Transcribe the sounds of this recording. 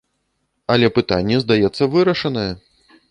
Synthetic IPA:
ɐlʲɛpɨt̪anʲːɛzd̪ajɛt̪sːɐvɨɾɐʂɐnɐjɛ

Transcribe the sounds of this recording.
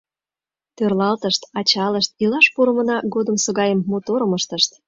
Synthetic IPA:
t̪ørlɑlt̪əʃt̪ɑt͡ɕɑləʃt̪̚ilɑʃpuɾə̆mə̆nɑɡod̪əmsɤɣɑjəmːot̪oɾə̆məʃt̪əʃt̪

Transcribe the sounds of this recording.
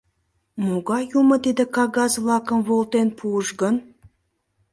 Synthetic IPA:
muɡɑjuməd̪ed̪ə̆kɑɣɑzvlˠɑkə̆nvolˠt̪enpʰuəʃɡən

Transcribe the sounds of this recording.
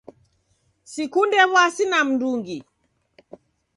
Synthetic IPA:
sikundɛβwasinam̩nduŋɡi

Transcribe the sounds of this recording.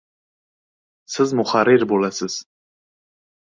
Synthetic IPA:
sɪzmʊχaɾɪɾbolasɪz̥

